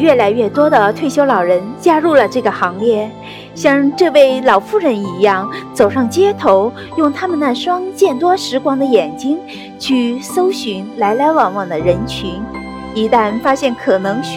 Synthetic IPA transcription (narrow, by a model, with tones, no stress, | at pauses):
ɥɛ˥˩la˧˥ɪɥɛ˥˩t̪wɔ˥d̪ə˨t̪ʰwe˥˩ɪɕjo˥ʊlɑ˨˩ʊɻə˧˥nt͡ɕja˥ɻu˥˩lə˩ʈ͡ʂɤ˥˩ɡə˩xɑ˧˥ŋljɛ˥˩ | ɕjɑ˥˧ŋʈ͡ʂɤ˥˧we˥˩ɪlɑ˨˩ʊfu˥˩ɻə˧˥ni˧˥jɑ˥˩ŋt͡so˨˩ʊʂɑ˥˩ŋt͡ɕjɛ˥t̪ʰo˧˥ʊ | jʊ˥˩ŋt̪ʰa˥mə˨na˥˩ʂwɑ˥ŋt͡ɕjɛ˥˩nt̪wɔ˥ʂɻ̩˧˥kwɑ˧˥˩ŋd̪ə˧jɛ˨˩nt͡ɕi˥ŋ | t͡ɕʰy˥˩sso˥ʊɕy˧˥nla˧˥ɪla˧˥ɪwɑ˨˩ŋwɑ˨˩ŋd̪ə˦ɻə˧˥nt͡ɕʰy˧˥n | i˧˥t̪a˥˩nfa˥ɕjɛ˥˩nkʰɤ˨˩nɤ˧˥ŋ